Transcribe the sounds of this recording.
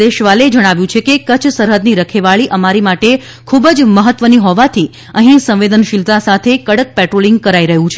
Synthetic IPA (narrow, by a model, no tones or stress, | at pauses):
eʃʋaled͡ʒəɽ̃aʋjũt͡ʃʰekekət͡ʃʰsəɾɦəd̪niɾəkʰeʋaɭiʔəmaɾimaʈe | kʰubəd͡ʒməɦət̪ʋəniɦɔʋat̪ʰi | əɦĩsə̃mʋed̪ənʃilt̪asat̪ʰekəɽək̚pɛʈɾolĩŋɡkəɾaiɾəɦũt͡ʃʰe